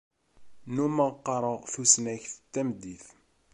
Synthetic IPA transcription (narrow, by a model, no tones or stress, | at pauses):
numəʁqːɑɾˤəʁθusnæçθət̪ːæməd̪ːiθ